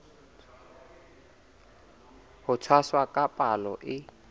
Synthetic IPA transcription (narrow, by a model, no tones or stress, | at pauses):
ɦʊt͡sʰwaswakʼapʼalɔ̰ʔɪ